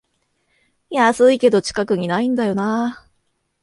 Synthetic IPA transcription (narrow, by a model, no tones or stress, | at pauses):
jasɨike̞d̪o̞t͡ɕi̥kakɯ̟ɲ̟inaĩnd̪ajo̞na